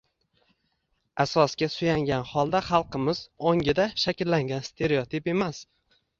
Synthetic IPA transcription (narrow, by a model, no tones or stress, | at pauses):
asɒsɡʲasʊjaŋɡʲanχɒlˠd̪aχɑlˠqʰɨmɪzoŋʲɪd̪aʃakʲlːaŋɡʲanst̪ʰe̞ɾeot̪ʰipe̞mas